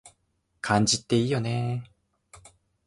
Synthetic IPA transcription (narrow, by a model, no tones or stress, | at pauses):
kaɲd͡ʑit̪͈ːe̞ijone